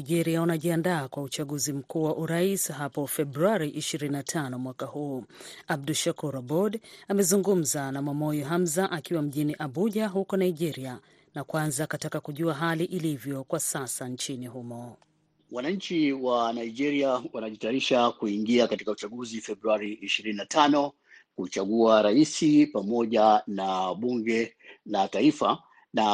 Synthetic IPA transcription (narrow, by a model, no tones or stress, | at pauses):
iʄɛɾiaunaʄiandaːkwaut͡ʃaɠuzim̩kuːwaʔuɾaisɦapɔfɛbɾuaɾiʔiʃiɾininatʰanɔmwakahuːab̚duʃakuɾabɔdamɛzuŋɡum̩zanamamɔjɔɦamzaʔakiwam̩ʄiniʔaɓuʄaɦukɔnaiʄɛɾia | nakwanzakatakakuʄuaɦaliʔilivjɔkwasasant͡ʃiniɦumɔ | wanaɲ̩t͡ʃiwanaiʄɛɾiawanaʄitaːɾiʃakuiŋɡiakatikaut͡ʃaɠuzifɛbɾuaɾiːʃiɾininatʰanɔ | kut͡ʃaɠuaɾaisipamɔʄanaɓuŋɡɛ | lataifa | na